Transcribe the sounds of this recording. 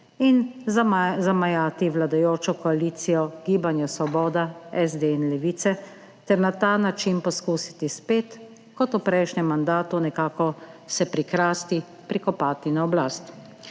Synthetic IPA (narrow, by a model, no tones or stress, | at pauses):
in | zamajaːt̪iʋlad̪ajoːt͡ʃɔkɔaliːt̪sijɔɡiːbanjasɔbɔːd̪aɛzd̪einlɛʋiːt̪sɛ | t̪ɛɾnat̪anat͡ʃinpɔskuːsi̥t̪ispeːt̪ | kɔt̪upɾɛjʃɲɛmːand̪aːt̪unɛkaːkɔsɛpɾikɾaːst̪i | pɾikɔpaːt̪inaɔblaːst̪